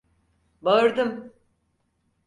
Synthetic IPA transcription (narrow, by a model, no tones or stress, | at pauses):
baɯɾd̪ɯm